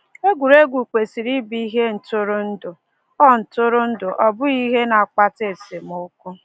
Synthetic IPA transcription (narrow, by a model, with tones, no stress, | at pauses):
e˦ɡʷu˨ɾe˦ɡʷu˨kʷe˨si˨ɾi˦bi˦ɦe˦n̩˨tʊ˦ɾʊ˦n̩˦dʊ˨ | ɔ˦n̩˨tʊ˦ɾʊ˦n̩˦dʊ˨ʔɔ˨bʊ˦i˦ɦe˦na˨a˨k͡pa˦te˦˨se˨m˨ʊ˦kʊ˦